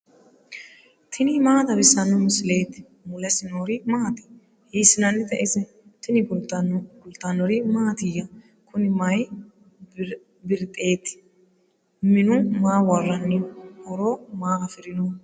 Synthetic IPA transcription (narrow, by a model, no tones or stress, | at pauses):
t̪ʰɪnɪmaːt̪ɐbɪsːɐnːʊmɪsɪle̞ːt̪ːɪ̥ | mʊlɛsɪnoɾɪmaːt̪ɪ̥ | hiːsɪnɐnːɪt̪ɐʔɪsɛ | t̪ɪnɪbʊlt̪bʊlt̪ːɐnːɔɾɪmaːt̪ɪjɐ | kʊnɪmɐj | bɪɾt̪ʼe̞ːt̪ːɪ̥ | mɪnʊmaːwɐrːɐnːɪhɔɾoːmaːɐfɪɾɪnu